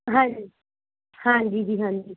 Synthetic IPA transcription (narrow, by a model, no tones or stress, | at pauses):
ɦãd͡ʒi | hãd͡ʒid͡ʒiɦãd͡ʒi